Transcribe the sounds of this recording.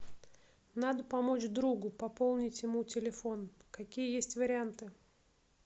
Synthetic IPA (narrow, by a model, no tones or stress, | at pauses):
nad̪əpɐmo̞t͡ɕd̪ɾuɡʊpɐpo̞lˠnʲɪtʲjɪmutʲɪlʲɪfo̞nkɐkʲijəjesʲtʲvəɾʲɪant̪ɨ